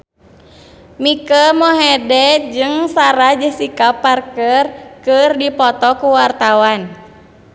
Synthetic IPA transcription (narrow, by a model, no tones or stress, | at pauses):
mikəmɔɦɛdɛd͡ʒɨŋsaɾad͡ʒəhsikaparkərkɨrdipɔt̪ɔkuwart̪awan